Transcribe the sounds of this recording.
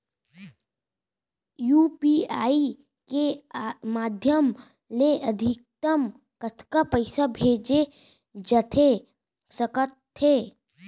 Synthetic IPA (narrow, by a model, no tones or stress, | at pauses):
juːpiaːi | kemaːd̪ʱjəm | leʔɐd̪ʱɪk̚t̪əm | kət̪ʰkapəɪsabʱeːd͡ʒe | d͡ʒɐt̪ʰe | səkət̪ʰːeː